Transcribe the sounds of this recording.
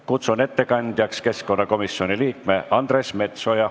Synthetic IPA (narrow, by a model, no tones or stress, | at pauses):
kut̪sune̞t̪ːe̞kɑnʲd̪̥ʲjɑkske̞skko̞nːɑko̞misjo̞nʲiliːkme̞ʔɑnd̪̥ɾe̞sme̞t̪so̞jɑ